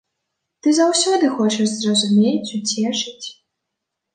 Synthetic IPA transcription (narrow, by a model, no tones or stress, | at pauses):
t̪ɨzawsʲɔd̪ɨxɔt͡ʂɐʐzrɐzumʲet͡sʲut͡sʲɛʂɨt͡sʲ